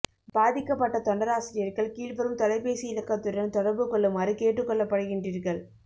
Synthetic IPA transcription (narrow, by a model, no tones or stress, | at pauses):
b̥aːðɪkːɐpːɐʈːɐt̪ɔɳɖɐɾaːsɪɾɪjɐɾɣɐɭkiːɭʋɐɾɯmt̪ɔlɐɪpːeːsɪɪlɐkːɐt̪ːʊɾɐnt̪ɔɽɐɾbɯkɔɭːɐmaːdrikeːʈːɯkːɔɭːɐpːɐɽɯɣɪɳdriːɾɣɐɭ